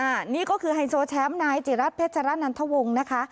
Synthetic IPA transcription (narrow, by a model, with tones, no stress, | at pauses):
ʔaː˧˩niː˥˩kɔː˥˩kʰɯː˧ɦa˧jsoː˧t͡ɕʰɛː˦˥mnaː˧jt͡ɕi˨˩ɾa˦˥t̪̚pʰeː˦˥t̪̚t͡ɕʰa˧ɾa˦˥na˧nt̪ʰa˦˥wo˧ŋna˦˥kʰa˦˥